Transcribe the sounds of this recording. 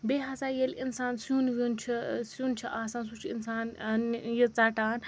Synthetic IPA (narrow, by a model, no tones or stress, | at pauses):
beːɦasaːjelinsaːnsuːnʋunt͡ʃʰisuːnt͡ʃʰiʔaːsaːnsut͡ʃʰinsaːnnjit͡saːʈaːn